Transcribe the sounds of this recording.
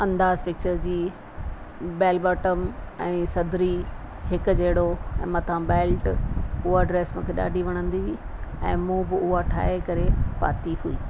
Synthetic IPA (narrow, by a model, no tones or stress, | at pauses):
ɐ̃nd̪aːzpɪk̚t͡ɕəɾd͡ʑiː | bɛːlbaːʈəmɛ̃ːsɐd̪ɾi | ɦɪkʊ̆d͡ʑɐɦɪɽoɛ̃ːmɐt̪ʰãbeːlʈʊɦaɖɾeːsmʊ̃kʰeɗa̰ːɖʱiʋɐɽ̃ə̃nd̪iʋiː | ɛ̰̃ːmũːbɪʊɦaʈʰa̰ːɦekɐɾepa̰ːt̪iɦuiː